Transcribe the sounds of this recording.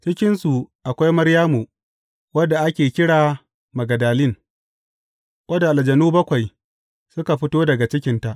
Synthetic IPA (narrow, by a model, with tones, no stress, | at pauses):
t͡ʃɪ˦kʲɪ˦nsu˨ʔa˨kʷa˦jmɐ˦ɾjaː˦mu˨ | wɐ˦dːa˨ʔa˦kʲeː˨kʲɪ˦ɽaː˨ | mɐ˨ɡɐ˨daː˨lɪ˦˨ŋ | wɐ˦da˨ʔa˨ld͡ʒɐ˨nuː˦bɐ˦kʷa˨j | sʊ˦ka˨ɸɪ˦toː˦dɐ˨ɡa˨t͡ʃɪ˦kʲɪ˨nta˦˨ʔ